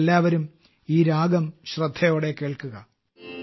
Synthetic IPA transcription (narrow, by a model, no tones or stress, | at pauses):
lːaːʋɐɾum | iːɾaːɡɐmɕrɐd̪ʱːɐjo̞ːɽe̞kːe̞ːɭkuɣɐ